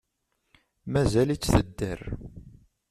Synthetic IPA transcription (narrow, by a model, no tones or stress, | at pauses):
mæzælit͡sːθəd̪ːə̰ɾ